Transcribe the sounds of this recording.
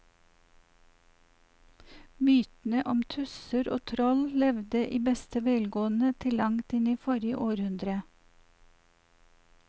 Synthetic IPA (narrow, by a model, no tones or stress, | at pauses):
myːt̪n̩əʔɔmt̪ʰʉsəɾʔo̰ːt̪ʰɾɔllɛʋd̪əʔiːbɛst̪əʋeːlɡoːənət̪ʰɪlɑŋt̪ɪniːfɔɾjə̰ʔoːɾhʉnd̪ɾə